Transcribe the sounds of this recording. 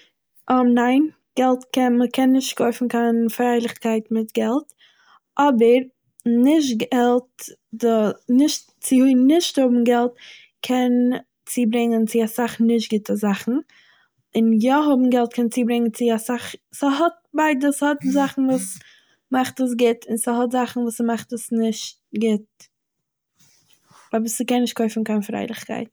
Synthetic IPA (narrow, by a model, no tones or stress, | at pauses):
ʔɔnaɪn | ɡ̥ɛlˠtkɛnməkʰɛnːɪʃtkʰoɪfn̩kanfɾaɪlˠɪχkaɪtmɪtɡɛlˠt | ʔɔbəɾ | nɪʃ̬tɡɛlˠtdɔnɪʃt | t͡sɪunɪʃthʊbm̩ɡɛlˠt̚ | kʰɛn | t͡siːbɾɪŋənt͡sɪasaχnɪʃ̬tɡɪtəzaχn̩ | ɪnjɔɦʊbm̩ɡɛlˠt̚kʰɛnt͡siːbɾɪŋənt͡sɪasaχsəɦɔt̚baɪdəshɔtzaχn̩vuːs | maχtəs̬ɡɪtʰɪnsəɦɔtzaχn̩vuːsmaχtəsnɪʃtɡɪt̚ | vabisəkɛnːɪʃt̚kʰɔʏɪfn̩kaːnfɾa̰ɪlˠɪχkʰa̰ɪt